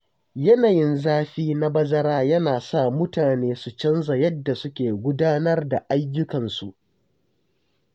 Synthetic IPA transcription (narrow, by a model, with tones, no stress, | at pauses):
jɐ˦naː˨jɪ˦nzaː˦ɸiː˦na˦bɐ˦zɐ˦ɾaː˦jɐ˦naː˨sa˦˨mʊ˦taː˨neː˦su˨t͡ʃɐ˦nza˨jɐ˦dːa˨sʊ˦kʲeː˨ɡʷʊ˦daː˦nɐ˦rda˨ʔa˦jːʊ˦kɐ˨nsu˨ʔ